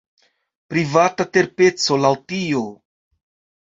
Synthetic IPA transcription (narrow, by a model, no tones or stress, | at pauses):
pɾivatate̞ɾpe̞t͡so̞lawtio